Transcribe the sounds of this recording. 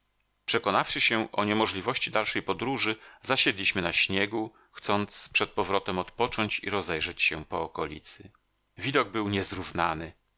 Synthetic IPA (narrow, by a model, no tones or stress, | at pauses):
pʂɛkɔnafʂɘɕɛʔɔɲɛmɔʐlʲivɔɕt͡ɕid̪alʂɛjpɔd̪ɾuʐɘzaɕɛd̪lʲiɕmɘnaɕɲɛɡu | xt̪sɔnt̪spʂɛt̪̚pɔvɾɔt̪ɛmɔt̪pɔt͡ʂɔɲt͡ɕḭɾɔzɛjʐɛt͡ɕɕɛpɔːkɔlʲḭt̪sɘ | vʲid̪ɔɡ̚bɘwɲɛzɾuvnanɘ